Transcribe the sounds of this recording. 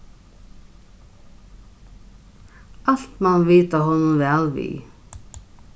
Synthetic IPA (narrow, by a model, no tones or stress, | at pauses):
ɑɬt̪mɑnʋiːt̪aɦɔnʊnʋɛːlʋḭː